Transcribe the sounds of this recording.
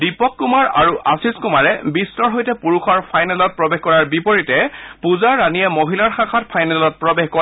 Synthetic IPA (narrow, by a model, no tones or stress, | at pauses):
dipɔkːumaɹaɹuʔasiskumaɹɛbistɔɹɦojtɛpuɹuxɔɹpʰajnɛlɔt̚pɹɔbexkɔɹaɹbipɔɹitɛpuzaɹːanijɛmoɦilaɹxakʰatpʰajnɛlɔt̚pɹɔbexkɔa